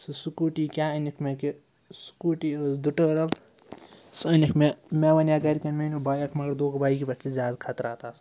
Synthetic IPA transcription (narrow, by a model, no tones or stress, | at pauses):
sɨsukuːʈikʲaːɐnikʰmeki | su̥kuːʈid̪uʈəːɾɐl | sɐnikʰmemeʋɐnjaːɡɐɾikɐnmenubaːjɐkʰmɐɡɐɾd̪oːkbaːjikibɐʈizʲaːd̪kʰɐt̪ɾaːt̪aːs